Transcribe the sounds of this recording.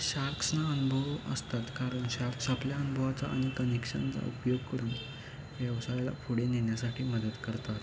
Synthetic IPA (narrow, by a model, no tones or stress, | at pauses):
ɕaɾk̪ʰsnaənubʱəʋə̰st̪at̪kaɾəɳɕaɾk̪ʰsapljaənubʱəʋat͡sa̰ʔañikənekɕə̰nt͡sa̰upjoɡ̚kəɾuːn | ʋjɛʋsajla̰fʰuɽeneɳjasaʈʰiːməd̪əd̪kəɾt̪at̪